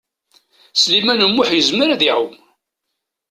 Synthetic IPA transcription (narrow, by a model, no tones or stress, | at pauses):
slimænəmːʊħjəzməɾðiʕʊm